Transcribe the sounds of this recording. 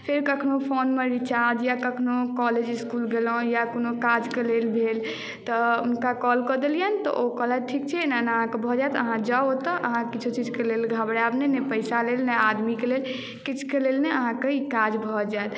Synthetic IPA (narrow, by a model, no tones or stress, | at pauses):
pʰeɾkəkʰnopʰonmeɾit͡ʃaɾd͡ʒjakəkʰnokɔled͡ʒiskulɡelɔ̃jakonokad͡ʒkelelbʱel | t̪ɔunkakɔlkɔd̪elijənt̪ɔ̰ʔokɔlaʈʰik̚t͡ʃʰɛnaneəɦãkebʱɔd͡ʒaet̪ə̰ɦãd͡ʒaot̪ɔʔəɦãkit͡ʃʰut͡ʃid͡ʒʱkelelɡʱabɾabnenɛpəɪsalelnɛad̪mikelel | kit͡ʃʰu̥kelelnɛəɦãkeikad͡ʒbʱɔd͡ʒaet̪